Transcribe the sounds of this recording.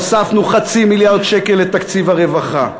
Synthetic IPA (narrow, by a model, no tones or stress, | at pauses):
safnuχat͡similjaʁd̪ʃekelːet̪akt͡sivaʁe̞vaχa